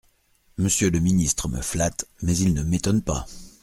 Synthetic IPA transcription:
məsjøləminist̪χəmə̰flat̪mɛzilnəmet̪ɔnpa̰

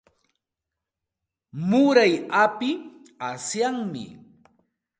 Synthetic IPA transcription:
mʊɾajapɪ | asjaŋmɪ̰

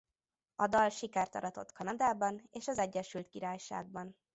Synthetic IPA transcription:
ɒd̪ɒlʃikaːrt̪ɒ̰ɾɒt̪o̞t̪kɒnɒd̪aːbɒneːʃɒzɛɟːɛʃylt̪kiɾaːjʃa̰ːɡ̚bɒn

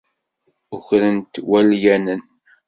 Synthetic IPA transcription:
ʊçɾənt̪wæljænən

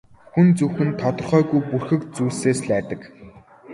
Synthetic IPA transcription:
xunt͡suwxɘ̆nt̪ʰɔt̪ɞ̆rχœːɣujpurxɘ̆kt͡suːseːsɮæːt̪ə̆k

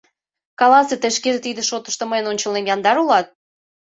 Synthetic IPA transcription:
kɑlɑset̪ə̆ʃkeʒĕt̪id̪eʃot̪ə̥̆ʃt̪ə̆məjənonʲt͡ɕə̆lnemjɑnd̪ɑɾulɑt̪̚

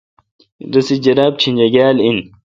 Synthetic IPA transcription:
d̪ɐsid͡ʑɐɾaːb̚t͡ɕʰind͡ʑɐɡaːlin

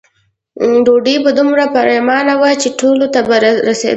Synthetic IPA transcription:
ɖoɖibad̪ʊmɾapaɾemɑnawat͡ʃeʈʰolot̪abaɾɾasḛ

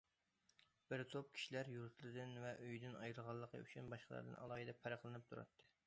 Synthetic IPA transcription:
b̥ɪɾt̪ʰop̚kʲʰi̥ʃilæɾjuɾt̪ʰlˠɨd̪ɨnvɛʔøjd̪ɪnʔɑjɾɨlʁɑlˠːəqʰə̰y̰t͡ʃʰynbɑʃqəlˠɑ̰ɾd̪ɨ̰nʔɑ̰lˠɑːhɨd̪ɛpʰɛɾɑχlˠɨnɨp̚t̪ʰuɾɑ̰t̪ʰːɨ̥

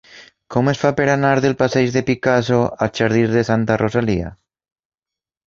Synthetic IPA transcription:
komesfapeɾanaɾðelpaseʒðepikasoat͡ʃaɾð̞izðesant̪arosalia̰

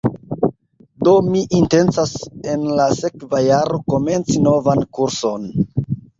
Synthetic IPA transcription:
do̞miʔinte̞nt͡sase̞nlase̞kvajaɾoko̞me̞nt͡sino̞vankuɾso̞n

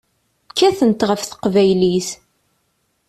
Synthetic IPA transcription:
kːæθənt̪ʁəfθə̥qvæjliθ

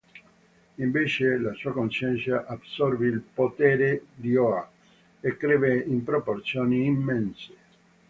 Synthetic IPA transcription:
iɱveːt͡ʃelasuːakonʃɛnt̪sjaʔabsɔrveilpot̪ɛːɾed̪ioa | ekːɾɛːveimpɾoport̪sjoːniːmːɛnse̥

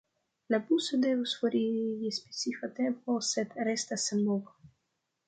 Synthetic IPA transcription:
labusod̪evusfoɾijispesifat̪emposed̪ɾest̪asamovo

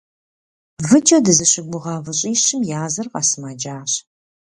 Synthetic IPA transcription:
vɨt͡ʃʼɐdɨzɨɕɪɡʷʊʁɑːvɨɕʼiːɕɪmjaːzɐrqɑsɨmaːd͡ʒaːɕ

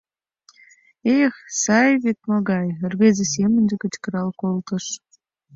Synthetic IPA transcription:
exsɑjβet̪̚moɣɑjərβezesemə̆nʲd̪ekə̆t͡ɕkə̆ɾɑlkolt̪ə̆ʃ

